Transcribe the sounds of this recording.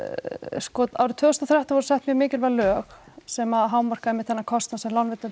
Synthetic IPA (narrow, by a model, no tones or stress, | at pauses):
skɔt̪aːwɾɪt̪ʰvʏːɣɔst̪ɔθɾjaht̪avɔɾʏ̥sɛht̪mjɛɣmɪːcɪlvɛlœːxsɛmaðɦaːwmːar̥kaɛhmɪt̪θɛnːakʰɔst̪nasɛmlanvɪt̪ːʏm